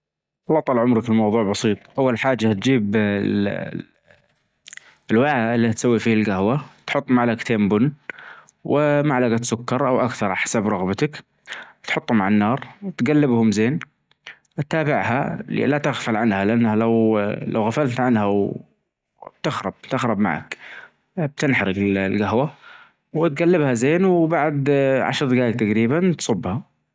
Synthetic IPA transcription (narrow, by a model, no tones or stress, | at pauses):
ɑt̪ˤːɑlʕʊmɾɑkɪlmɑwðˤuːʕbɑsiːt̪ˤʔawːalħaːd͡ʒːat̪̚d͡ʒiːb | ɪlwaʕaʔɪlːit̪sawːifiːalɡahwat̪ħʊt̪ˤːmaʕlakt̪ʰeːmbʊnː | wɪmaʕlaɡat̪sʊkːɑɾˤʔawʔakθɑɾˤħḁsabɾˤɑɣbat̪ak | t̪ħʊt̪ˤːhʊmaʕanːɑːɾˤt̪ɡalːɪbhʊmzeːn | t̪ːaːbɪʕha̰lɪ̰lːat̪aɣfalʕanhalɪʔanːhalawla̰wɣafalt̪ʕanhaw | b̥t̪ɪxɾˤɑb̚t̪ɪxɾˤɑbma̰ʕa̰k | b̚t̪ɪnħaɾɪɡɪllɡaɦwa | wɪt̪̚ɡalːɪbhazeːnwbaʕd̪ʕa̰ʃɾˤðɡaːjk̚t̪aɡɾiːbant̪sˤʊbːha